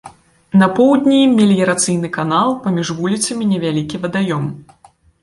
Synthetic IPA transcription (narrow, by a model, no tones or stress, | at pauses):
nɐpɔwd̪ʲnʲijimʲːɛlʲjɛɾat̪sɨjnɨkanalˠpamʲiʐvulʲit̪sɐmʲinʲɛvʲalʲikʲivɐd̪ajɔm